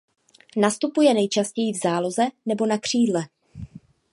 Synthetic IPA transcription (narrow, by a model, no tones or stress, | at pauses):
nast̪upujɛnɛjt͡ʃascɛjivzaːlo̞zɛnɛbo̞nakr̝̥iːdlɛ